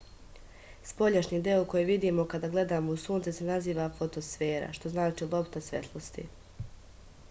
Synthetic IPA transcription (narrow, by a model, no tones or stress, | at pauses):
spo̞ʎaʃɲiːd̪eoko̞jeʋid̪iːmo̞kad̪aːɡle̞d̪aːmo̞usuːnt̪sesenaziːʋafo̞t̪o̞sfe̞ːɾa̰ʃt̪o̞znaːt͡ʃiːlˠo̞pt̪asʋe̞̰t̪ʰlˠost̪ḭ